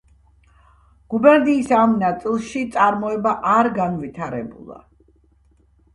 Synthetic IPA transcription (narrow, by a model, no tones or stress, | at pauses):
ɡ̥ubɛɾd̪iːsamnat̪sʼilˠʃit̪sʼaɾmɔɛbaʔaɾɡanvit̪ʰaɾɛ̰bṵlˠa̰